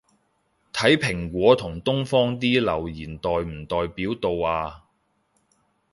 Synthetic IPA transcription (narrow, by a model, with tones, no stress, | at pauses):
t̪ʰɐ˨˥jpʰɪ˨˩ŋkʷɔː˨˥t̪ʰʊ˨˩ŋt̪ʊ˥ŋfɔː˥ŋt̪̬iː˥lɐ˨˩wjiː˨˩nt̪ɔː˨jm̩˨˩t̪ɔː˨˧jpiː˨˥wt̪o˧waː˧